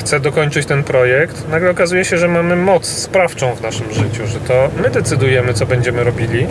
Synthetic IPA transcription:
xt̪sɛd̪ɔkɔɲt͡ʂɘt͡ɕt̪ɛnpɾɔjɛkt̪naɡlɛɔkazujɛɕɛʐɛmamɘmɔt̪sːpɾaft͡ʂɔ̃w̃vnaʂɘmʐɘt͡ɕuʐɛt̪ɔmɘd̪ɛt̪sɘd̪ujɛmɘt̪sɔbɛɲd͡ʑɛmɘɾɔbʲilʲi

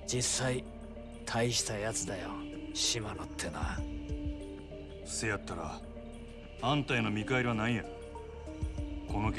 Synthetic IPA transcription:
d͡ʑisːai | t̪ʰaiɕi̥t̪ajat͡sɨd̪ajo̰ɕimanot̪ʰːe̞na̰ | sejat̪ːaɾa̰ | ãnt̪aino̞mʲikaeɾʲiβanaija | ko̞no̞kʲ

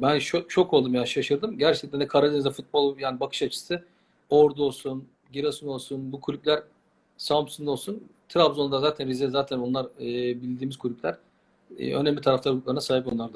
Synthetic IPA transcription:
bænʃoʃʰokʰo̞lˠd̪umjanʃaʃɯɾd̪ɯmɟæɾt͡ʃʰɛk̚t̪ænd̪ɛkʰaɾalʲenizɛfut̪̚bo̞lˠjaːnibakʰɯ̥ʃat͡ʃʰɯ̥sɯ | oɾd̪o̞lˠsun | ɟiɾasuno̞lˠsunbukʰulʲypʲlʲæɾ | sampsuŋd̪o̞lˠsunt̪ʰɾabzond̪azaːt̪ʰænɾizɛzaːt̪ʰæno̞nlˠaɾɯbilʲd̪iːmizkʰulʲyp̚ʲlʲæɾ̥̰ | ø̰næmlʲit̪ʰaɾaflˠaɾuk̪̚lˠaɾnasaːɦipo̞nlˠaɾd̪a

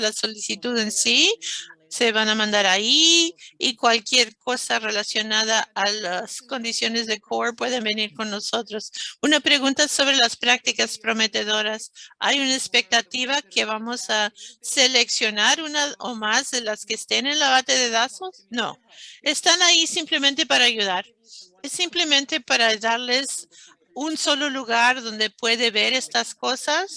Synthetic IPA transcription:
laso̞lisit̪uðe̞nsi | se̞βanamãnd̪aɾaiikwalkje̞ɾko̞sare̞lasjo̞naðaalasko̞nd̪isjo̞ne̞zðekʰoɾpwe̞ð̞e̞mbe̞niɾko̞nːo̞so̞t̪ɾo̞sunapɾe̞ɣunt̪aso̞βɾe̞laspɾak̚t̪ikaspɾo̞me̞t̪e̞ðo̞ɾasa̰junaespe̞k̚t̪at̪iβake̞βamo̞sase̞le̞ksjo̞naɾunao̞mazðelaskeːst̪ene̞nlaβat̪e̞ðe̞ðasosno̞̰ | est̪anaisimple̞ment̪e̞paɾaːʝuðaɾ | esimple̞mẽ̞nt̪e̞paɾaðaɾle̞s | unso̞lo̞luɣaɾðo̞nd̪e̞pwe̞ðe̞βe̞ɾe̞st̪asko̞sas

